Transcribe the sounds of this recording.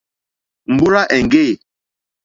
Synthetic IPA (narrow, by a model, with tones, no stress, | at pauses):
m̩˨bu˦ɾa˦ʔɛ˨ŋ˨ɡe˦˨